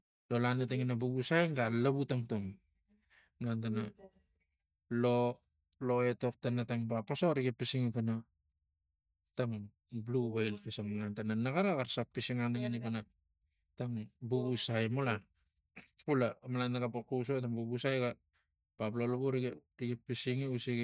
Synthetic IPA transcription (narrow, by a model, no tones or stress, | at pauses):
lolanetaŋinabuɡusajŋɡalaβutaŋtoŋ | malantana | lo | lo̞e̞tok̚tanataŋbapasoɾiɡepisiŋipena | taŋ | bluβajlfesaŋmalantananaɡaɾaɡaɾsak̚pisiŋanaɡenikana | taŋibuɡusajmola | pulamalanaɡapakus̬otaŋbubusajɡa | paplolaβuɾiɡeɾiɡepːisiŋiusiɡ